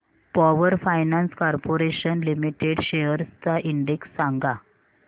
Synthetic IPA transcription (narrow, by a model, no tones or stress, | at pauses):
pɔʋəɾfajnãnskɔɾpoɾeɕənlimiʈeɽɕeəɾst̪aʔiɳɖeksːãŋɡa